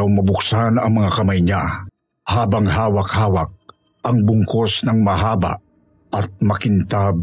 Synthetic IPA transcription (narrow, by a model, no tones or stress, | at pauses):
awmɐbʊksanɐ̰ŋmɐŋakɐmajɲa | haːbɐŋhaːwɐk̚haːwɐk̚ | ʔɐŋbʊŋkosnɐŋmɐɦaːba̰ | ɐt̪̚mɐkɪnt̪ab̚